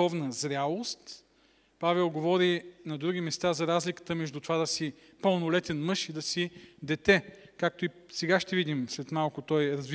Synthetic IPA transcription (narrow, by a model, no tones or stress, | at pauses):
ɔvnəzɾʲalˠost̪ | pavɛlˠɡovɔɾinɐd̪ɾuɡ̟imɛst̪azɐɾazlikə̥t̪əmɛʒd̪ut̪ovad̪ɐsi | pəlˠnʊlɛt̪ɛnmɤʃid̪ɐsid̪ɛt̪ɛkak̚t̪oisɛɡaʃt̪ɛvid̪imslɛt̪malˠkʊt̪ɔjɾɐzv